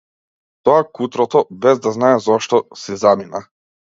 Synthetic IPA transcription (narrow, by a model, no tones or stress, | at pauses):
t̪ɔakut̪ɾɔt̪ɔbɛzd̪aznaɛzɔʃt̪ɔsɛzamina